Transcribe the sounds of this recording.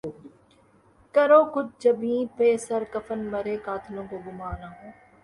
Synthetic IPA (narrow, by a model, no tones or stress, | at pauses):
kɐɾoːkʊd͡ʒ̚d͡ʒɐbĩːpeːsɐɾkɐfənmɐɾeːkaːt̪ʰlõːkoɡʊmaːnaːɦõː